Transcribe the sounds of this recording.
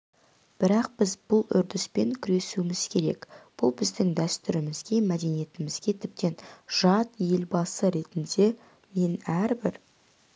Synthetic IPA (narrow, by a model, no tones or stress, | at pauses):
b̥ɪɾɑqbɪzbʊlˠʏ̰ɾd̪ɪspe̞ŋkʲʰʏɾe̞suɪmɪz̥kʲʰe̞ɾe̞̰kb̥ʊlˠbɪzd̪ɪŋd̪æst̪ʏɾɪmɪzɡʲe̞mæd̪e̞nije̞t̪ɪmɪzɡʲe̞t̪ʰɪp̚t̪e̞nʒ̥ɑt̪je̞lbɑsəɾe̞t̪ɪnd̪e̞ | me̞næɾbɪɾ